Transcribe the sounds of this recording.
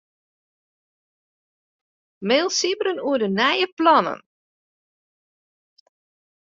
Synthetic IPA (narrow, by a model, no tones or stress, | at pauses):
meːlˠsibəɾənuədənɛjəplɔnə̰n